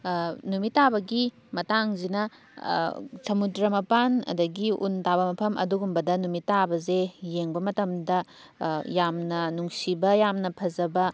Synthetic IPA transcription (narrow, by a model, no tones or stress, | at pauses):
numitːabɐɡi | mɐtaŋzinɐ | sɐmudɾɐmɐpanɐ̰dɐɡiṵntabɐmɐpʰɐmʔɐ̰duɡumbɐdɐnumitːabɐzejeŋbɐmɐtɐmdɐ | jamnɐnuŋsibɐjamnɐpʰɐzɐbɐ